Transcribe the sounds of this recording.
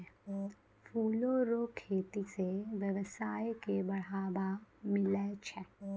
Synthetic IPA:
fʰuːloɾoːkʰeːt̪iseʋjəʋsaːjkebɐɽ̤aːbamɪlet͡ʃʰɛ

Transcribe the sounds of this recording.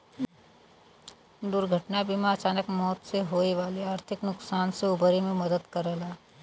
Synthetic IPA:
d̪ʊɾɡʱəʈnabimaɐt͡ʃaːnəkmɔːt̪seɦoːeʋaːleaːɾt̪ʰɪknʊksaːnseʊbɾemẽmɐd̪əd̪kəɾəlaː

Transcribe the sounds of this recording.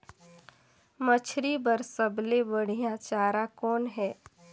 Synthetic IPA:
mət͡ʃʰɾibəɾsəblebəɽ̤ijãt͡ʃaːɾakɔːnɦɛː

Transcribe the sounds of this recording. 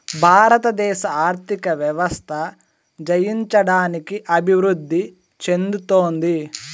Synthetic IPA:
bʱaːɾɐt̪ɐd̪ɛːʃɐaːɾt̪ʰikɐʋjɐʋɐst̪ʰɐ | d͡ʒɐjiɲt͡ʃɐɽaːnikiʔɐbʱiʋɾud̪ʱːi | t͡ʃe̞nd̪ut̪oːnd̪i

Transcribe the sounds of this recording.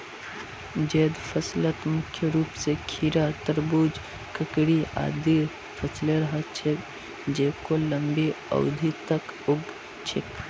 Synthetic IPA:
d͡ʒeːd̪fʰɐslət̪mʊkʰjəɾuːpsekʰiɾat̪ɐɾbuːd͡ʒ | kɐkɽia̰ːd̪i | pʰɐsleɾɐɦat͡ʃʰe | d͡ʒeːkolə̃mbiɐ̰ʊd̪ʱit̪ɐkʊɡ | t͡ʃʰɪk

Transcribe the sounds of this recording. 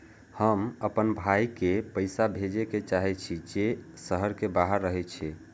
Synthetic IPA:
həməpənbʱajkepəjsabʱed͡ʒeket͡ʃaɦɛt͡ʃʰid͡ʒesəɦəɾkebaɦəɾːəɦɛt͡ʃʰɛ

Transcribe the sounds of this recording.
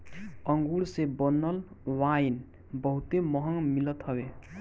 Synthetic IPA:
əŋɡuɭsebənəl | wajn | bəɦut̪eməɦəŋmilət̪ɦʌbe

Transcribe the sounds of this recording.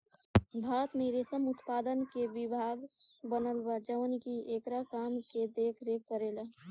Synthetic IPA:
bʱaːɾət̪mẽɾesəmʊt̪paːd̪ənkeʋɪbʱaːɡbənəlbad͡ʒəʋənkiʔeːkɾakaːmked̪eːkʰɾeːkːəɾeːla

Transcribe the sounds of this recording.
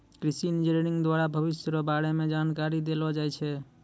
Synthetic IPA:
kɾisinid͡ʒɾeɾiŋɡd̪waɾabʱəbisɾəbaɽemed͡ʒankaɾid̪elɔd͡ʒajt͡ʃʰɛ

